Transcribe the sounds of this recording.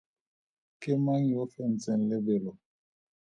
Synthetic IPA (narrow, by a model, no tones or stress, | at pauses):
kemaŋjɔfɛn̩t͡sɛn̩lɛbelɔ